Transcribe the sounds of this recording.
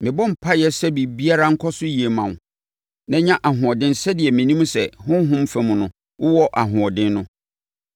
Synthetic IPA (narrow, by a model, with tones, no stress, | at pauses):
mɪ̃˨bɔ̃˦m̩˨pʰa˦jɛ˦sɛ˦bi˨bi˦a˦ɾa˦ŋ̩˦kʰɔ˦sʊ˦ji˨e˨mã˨n˨ | nã˦ɲã˦ʔa˨ɦʊ̃˨ɔ˨dɪ̃˦nsɛ˦dɪ˨ɛ˨mĩ˨nĩ˦m˦sɛ˨hʊ̃˦ɦʊ̃˦mfæ˨mũ˨nʊ̃˨ | wʊ˦wɔ˦ʔa˨ɦʊ̃˨ɔ˨dɪ̃˦nːʊ̃˦